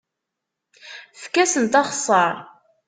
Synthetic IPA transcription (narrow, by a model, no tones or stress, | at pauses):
fkːæsənt̪ɑχsˤɑɾˤ